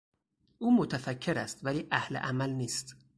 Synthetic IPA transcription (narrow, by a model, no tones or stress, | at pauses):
ʔuːmot̪ʰæfæcʰːe̞ɾæst̪væliːʔæhlḛʔæmælniːst̪